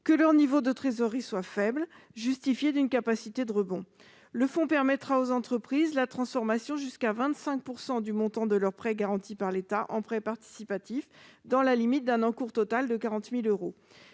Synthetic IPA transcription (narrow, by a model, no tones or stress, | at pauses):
kəlœʁnivod̪ət̪χezɔʁiswafɛbl | ʒyst̪ifjed̪ynkapasit̪ed̪əʁəbɔ̃ | ləfɔ̃pɛʁmɛt̪χaozɑ̃t̪χəpχizlat̪χɑ̃sfɔʁmasjɔ̃ʒyskavɛ̃t̪sɛ̃k̚puʁsɑ̃d̪ymɔ̃t̪ɑ̃d̪əlœʁpχɛɡaʁɑ̃t̪ipaʁlet̪aʔɑ̃pχɛpaʁt̪i̥sipat̪ifd̪ɑ̃lalimit̪̚d̪ɛ̃nɑ̃kuʁt̪ɔt̪ald̪əkaʁɑ̃t̪miløʁo